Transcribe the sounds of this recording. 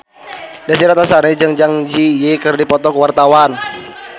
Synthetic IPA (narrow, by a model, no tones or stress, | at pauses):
dasiɾat̪asaɾid͡ʒaŋd͡ʒaŋd͡ʒijekərdipɔt̪ɔkəwart̪awan